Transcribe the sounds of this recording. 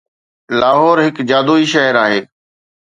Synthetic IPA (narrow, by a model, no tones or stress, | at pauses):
laːɦɔːɾɦɪkd͡ʑaːd̪oːiːʃəɦəɾaːɦeː